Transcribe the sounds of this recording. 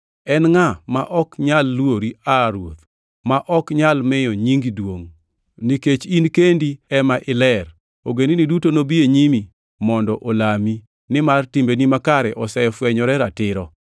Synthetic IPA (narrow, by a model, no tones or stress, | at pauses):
ɛnŋamaʔɔkɲalːwoɾiaɾwot̪ | maʔɔkɲalmɛjɔɲiŋɡidwoŋ | niket͡ʃinkendiɛmaʔɪlɛr | oɡeninidutonobieɲimi | mɔndɔʔolami | nɪmartimbenimakaɾɛʔɔsɛfwɛɲɔɾɛɾatɪɾɔ